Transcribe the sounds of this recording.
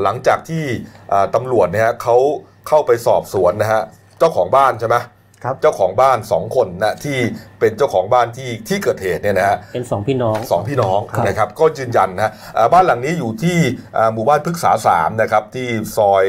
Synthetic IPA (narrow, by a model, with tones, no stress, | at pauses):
la˩˦ŋt͡ɕaː˨˩k̚t̪ʰiː˥˩ʔaː˨˩t̪a˧mɾu˨˩ət̪̚niː˥˩ɦa˦˥kʰa˦˥w | kʰa˥˩wpa˧jsɔː˨˩p̚su˨˩˦ənːa˦˥ɦa˦˥ | t͡ɕa˥˩wkʰɔː˩˦ŋbaː˥˩nt͡ɕʰa˥˩mɛ˦˥ | t͡ɕa˥˩wkʰɔː˩˦ŋbaː˥˩nsɔː˩˦ŋkʰo˧nːa˦˥t̪ʰiː˥˩pe˧nt͡ɕa˥˩wkʰɔː˩˦ŋbaː˥˩nt̪ʰiː˥˩t̪ʰiː˥˩kɤː˨˩t̪̚heː˨˩t̪̚ni˥˩ɐna˦˥ha˦˥ʔe˧nsɔː˩˦ŋpʰiː˥˩nɔː˦˥ŋsɔː˩˦ŋpʰiː˥˩nɔː˦˥ŋ˧na˥˩kʰa˦˥p̚kɔː˥˩jɯː˧nja˧nːa˦ɦa˦˥ | ʔaː˨˩baː˥˩nla˨˩ŋniː˦˥juː˨˩t̪ʰiː˥˩ʔaː˨˩muː˨˩baː˥˩npʰɯ˦˥k̚sa̰ː˩˦sa̰ː˩˦mna˦˥kʰɾa˦˥p̚t̪ʰiː˥˩sɔː˧j